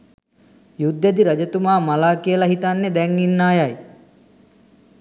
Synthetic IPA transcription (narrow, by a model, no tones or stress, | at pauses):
jud̪ːjed̪iɾɐd͡ʒɐt̪umaːmalaːkijəlaɦit̪anːed̪ɛŋːinːaːjaj